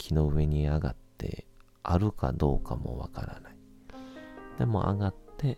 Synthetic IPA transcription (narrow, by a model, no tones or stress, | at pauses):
kʲʰino̞ɯ̟e̞ɲ̟iaɡat̪ʰːe̞̰ | aɾɯ̟kad̪o̞ːkamo̞̰βakaɾa̰nai | d̪̥e̞mo̞̰ʔa̰ɡat̪ːe̞